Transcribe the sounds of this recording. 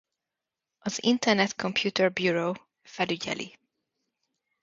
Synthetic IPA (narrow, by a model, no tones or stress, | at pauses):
ʔɒzḭ̃nt̪ɛɾnɛt̪kʰɔ̃mpʰjuːt̪ʰɛɹbjuːɹoː | fɛlyɟɛ̰lʔḭ